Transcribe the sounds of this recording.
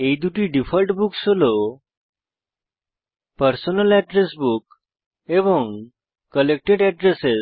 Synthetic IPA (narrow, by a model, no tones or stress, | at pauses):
eid̪uʈiːɖifəlʈbuksolo | pəɾsonəlɛɖɾesbuk | eʋəŋ | kːəlek̚ʈeɖɛɖɾese